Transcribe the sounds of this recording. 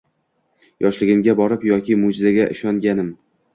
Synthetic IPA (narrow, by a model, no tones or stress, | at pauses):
jʔɒʃlɪɡʲɪmɡʲabɒɾɪpjɒkʲɪmʊd͡ʒɪzaɡʲaʔɪʃɒŋɡʲanɪm